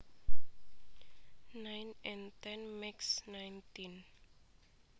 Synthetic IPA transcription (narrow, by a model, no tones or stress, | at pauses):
nãjnɛ̃nt̪ɛ̃nmɛksnãjntĩn